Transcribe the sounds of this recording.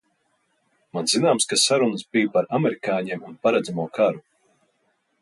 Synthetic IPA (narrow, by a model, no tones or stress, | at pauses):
manzinaːmskasaɾunəsbijpaɾamɛɾikaːɲeɛmunpaɾad̪zamuɔkʰaɾu